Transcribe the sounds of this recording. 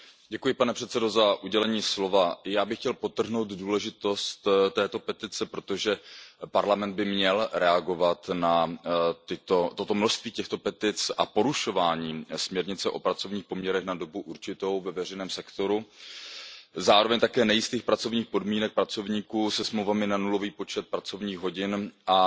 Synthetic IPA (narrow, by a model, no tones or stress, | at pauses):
ɟɛkujɪpanɛpr̝̥ɛt̪t͡sɛdo̞zaʔuɟɛlɛɲiːslo̞vajaːbɪxcɛlpo̞t̪ːr̩ɦno̞wd̪duːlɛʒɪt̪o̞st̪t̪ːɛːt̪o̞pɛt̪ɪt͡sɛpɾo̞t̪o̞ʒɛpaɾlamɛnd̪̚bɪmɲɛlɾɛaɡo̞vat̪nat̪ɪt̪o̞t̪o̞t̪o̞mno̞ʃst̪viːcɛxt̪o̞pɛt̪ɪt͡sʔa̰po̞ɾuʃo̞vaːɲiːsmɲɛɾɲɪt͡sɛʔopɾat͡so̞vɲiːxpo̞mɲɛɾɛxnado̞buʔuɾt͡ʃɪt̪o̞wvɛvɛr̝ɛjnɛːmsɛkt̪o̞ɾu | zaːɾo̞vɛɲt̪akɛːnɛjɪst̪iːxpɾat͡so̞vɲiːxpo̞dmiːnɛk̚pɾat͡so̞vɲiːkuːsɛsmlowvamɪnanulo̞viːpo̞t͡ʃɛt̪̚pɾat͡so̞vɲiːɣɦo̞ɟɪnʔa